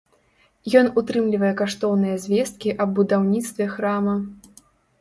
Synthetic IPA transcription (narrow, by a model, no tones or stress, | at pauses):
jɔnut̪ɾɨmlʲivɐjɛkaʂt̪ɔwnɨjɐzʲvʲɛst̪̚kʲiʔɐbːud̪awnʲit̪st̪vʲɛxɾamɐ